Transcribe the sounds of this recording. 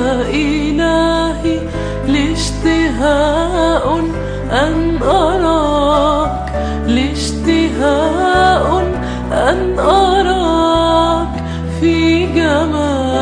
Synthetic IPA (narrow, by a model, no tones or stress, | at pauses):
ʔɪlaːhi | lɪʃt̪ɪɦaːʔʊn | ʔanʔɑɾˤɑ | k | lɪʃt̪ɪɦaʔʊ | ʔanʔɑɾˤɑ | k | fiɡamaː